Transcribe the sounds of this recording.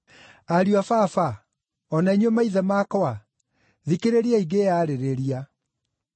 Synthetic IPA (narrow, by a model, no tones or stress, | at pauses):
aɾiafafa | ɔnaiɲomaiðɛmaːkɔwa | ðikeɾeɾiaiɡejaːɾeɾeɾia